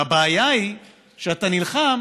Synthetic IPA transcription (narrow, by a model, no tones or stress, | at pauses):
abeːjai | ʃeat̪anilχam